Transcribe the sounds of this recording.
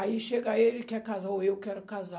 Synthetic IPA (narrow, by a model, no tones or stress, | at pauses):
ajiʃeɡajeɾɪkʲɛkazawajokʲɛrkaza